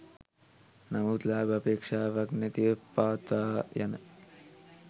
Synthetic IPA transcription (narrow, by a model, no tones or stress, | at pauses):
nɐmuːt̪laːbɐpeːkʂaːʋɐknɐt̪ipaːt̪aːjɐnɐ